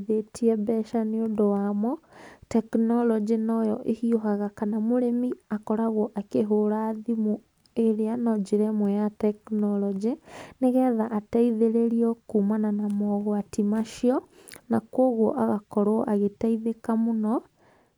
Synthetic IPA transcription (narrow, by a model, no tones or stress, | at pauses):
ðetiɛbɛʃaneondowamɔtɛknɔlɔd͡ʒinɔjɔʔehioɦaɣakanamoɾemiakɔɾaɣɔʔakeɦoɾaːðimu | eɾeanɔd͡ʒeɾɛmwɛjatɛknɔlɔd͡ʒeneɣɛðaʔataiðeɾeɾiɔkuːmananamɔɣwatimaʃiɔ | nakwoɣɔʔaɣakɔɾoʔaɣetaiðekamonɔ